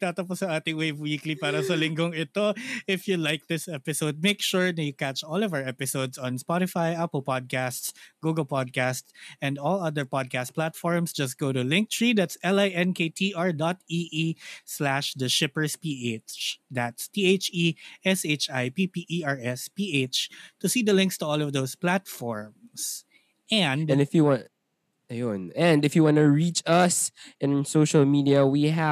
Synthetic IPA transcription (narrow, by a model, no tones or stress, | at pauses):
t̪aːt̪ɐpɔsɐʔaːt̪ɪŋwejvwiːklipaːɾɐsɐlɪŋɡoŋɪt̪oʔɪfjulajk̚d̪ɪsʔɛpɪsoʊd̪̚meɪkʃuɹnɐjʊkatt͡ʃɔlɔvawɹʔɛpɪsowd̪sɔ̃nspɔɾɪfajʔapəlpɔd̪̚kast̪sɡ̥uːɡɐlpɔd̪̚kast̪sʔɛ̃nd̪ɔlɐd̪əɹpɔd̪̚kast̪̚plat̪fɔɹmsd͡ʒɐs̬t̪̚ɡ̥oʊt̪ʊlɪ̃ŋk̚t̪ɹid̪at̪sʔɛlajʔɛ̃nkejt̪ʰiːʔaɹd̪ɔt̪̚iʔislæʃd̪ɐʃɪpəɹspiːet͡ʃd̪at̪st̪iːeɪt͡ʃiʔɛset͡ʃajpipiʔiaɹɛspiʔet͡ʃt̪ʊsiːd̪ɐlɪ̃ŋkst̪uɔlɔvd̪oʊsplat̪fɔɹms | ʔɛ̃nd̪̃nɪfjuwɑ̃ | ajɔ̃nɛ̃ndɨfjuwɑ̃nuɹit͡ʃʌsɨ̃nsoʊʃəlmidiawiɦæ